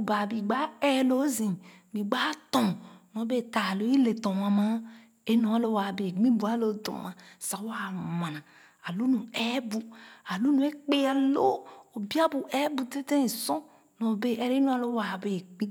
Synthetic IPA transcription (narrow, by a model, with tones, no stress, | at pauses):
o˨ba˨bi˨ɡ͡ba˦ɛ˦lo˦zĩ˨ | mĩ˨ɡ͡ba˦t̪ɔ̃˨nɔ̃˨˦be˦˨t̪a˨lo˦i˦le˨t̪ɔ̃˨m˨ã˨mã˦ | e˦nɔ̃˨˦a˦lo˦wa˨be˨ɡ͡bĩ˦bu˨˦a˨˦lo˦d̪ɔ̰˨mã˨sa˨wa˦mã˨nã˨ | a˨lu˦nũ˨ɛ˦bu˦a˨lu˦nũ˨˦e˦k͡pe˦a˨lo˦o˨bi˦a˦bu˨ʔɛ˦bu˨t̪e˦t̪ẽ˦e˨sɔ̃˦ | nɔ̃˨˦be˦ʔɛ˨ɾe˦nõ˦a˦lo˦wa˨be˨k͡pĩ˦